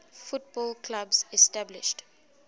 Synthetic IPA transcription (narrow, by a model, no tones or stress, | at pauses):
fut̚bɔlkʰlabzɛstablɪ̰ʃt